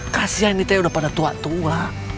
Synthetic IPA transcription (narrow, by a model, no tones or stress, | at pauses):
kasiɦainit̪ajudahpadat̪ua̰t̪ua